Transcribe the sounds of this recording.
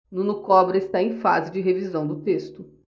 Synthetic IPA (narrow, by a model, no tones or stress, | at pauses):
nũnʊkɔbɾɐɪst̪aẽj̃fa̰zɪd͡ʒɪɦevizɐ̃w̃d̪ʊt̪est̪ʊ